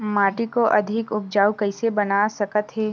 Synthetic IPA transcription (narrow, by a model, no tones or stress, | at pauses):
maːʈikoʔɐd̪ʱɪkʊp̚d͡ʒaːukɐɪsebɐnaːsɐkət̪ɦeː